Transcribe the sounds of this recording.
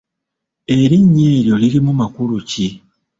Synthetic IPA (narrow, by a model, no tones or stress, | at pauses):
e̞ɾiɲːe̞ːɾjo̞liɾimumakuluci